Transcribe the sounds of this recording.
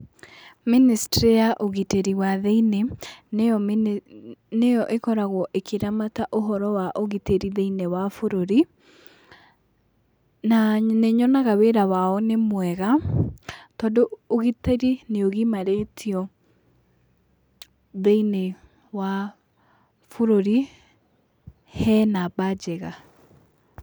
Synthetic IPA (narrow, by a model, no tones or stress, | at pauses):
ministɾejaʔoɣiteɾiwaðeinene | nejɔʔekɔɾaɣɔʔekʰeɾamataʔoɦɔɾɔwaʔoɣiteɾiðeinewafoɾoɾi | naneɲɔnaɣaweɾawaɔnemwɛɣa | tɔdooɣiteɾineoɣimaɾetʰiɔ | ðeine | wa | foɾoɾi | hɛnabad͡ʒɛɣa